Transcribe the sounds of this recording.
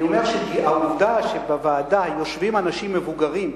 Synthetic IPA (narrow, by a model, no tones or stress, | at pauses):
omeʁʃekiauvdaʃebevaːdajo̞ʃvimanaʃimːe̞vuɡaʁim